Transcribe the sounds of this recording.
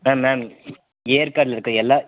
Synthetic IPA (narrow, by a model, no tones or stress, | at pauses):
maːmːaːm | eːɾkaːʈlɪɾɯkːɯ̃ɛlːaː